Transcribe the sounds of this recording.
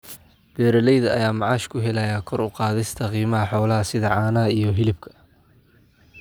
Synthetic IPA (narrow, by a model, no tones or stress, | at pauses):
b̪̥ɛːɾɐlɛjðɐɐjaːmɑʕɑːʃkʰʊɦɛlɐjakʰɔɾʊqɑːðɪst̪ʰɐqiːmɐɦɐħɔːlɐɦɐsɪðɐʕɑːnɐɦɐijɞɦɪlɪb̚kʰɐ̥